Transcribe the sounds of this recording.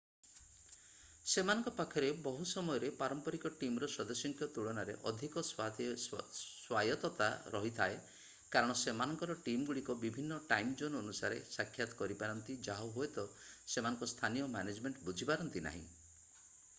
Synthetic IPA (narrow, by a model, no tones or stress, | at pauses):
semanɔŋkɔpakʰːɔɾebɔɦusɔmɔjɔɾepaɾɔmpɔɾikɔʈimɔɾɔsɔd̪ɔsjɔŋkʰjɔt̪uɭɔnaɾḛʔɔd̪ʱikɔs | swajɔt̪ɔt̪a̰ɾɔɦit̪ʰae | kaɾɔɽ̃ɔsemanɔŋkɔɾɔʈimɔɡuɽikɔbibʱinːɔʈajmd͡ʒonɔnusaɾesakʰːjat̪ɔ̥kɔɾipaɾɔnt̪id͡ʒaɦɔɦoet̪ɔsemanɔŋkɔst̪ʰanijɔmaned͡ʒmeɳʈbud͡ʒʱipaɾɔnt̪ina̰ɦḭ̃